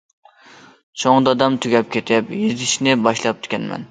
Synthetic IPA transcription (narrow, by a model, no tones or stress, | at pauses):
t͡ʃʰoŋd̪ɑd̪ɑmt̪ʰyɡʲɛp̚kʲʰet̪ʰɪpjizɪʃnɪbɑʃlˠɑp̚t̪ʰɪ̥kʲɛnmɛ̰n